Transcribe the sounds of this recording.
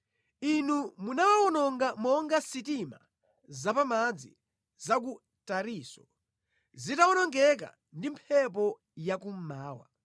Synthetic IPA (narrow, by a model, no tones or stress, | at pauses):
inumunawawɔnɔŋɡamɔŋɡasitima̰ | zapamad͡zi | zak̬u | taɾiːsɔ | zitaɔnɔŋɡɛk̬a̰ | ndimpʰɛp̬ɔ | jakum̩maːwa̰